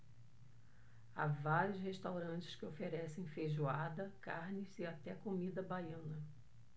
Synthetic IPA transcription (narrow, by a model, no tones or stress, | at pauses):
a̰vaɾiʊsheʃt̪awɾɐ̃nt͡ʃɪ̥skɪofeɾɛsẽj̃fejʒuad̪ɐkaɾnɪsɪat̪ɛakomid̪ɐbajɐ̃nɐ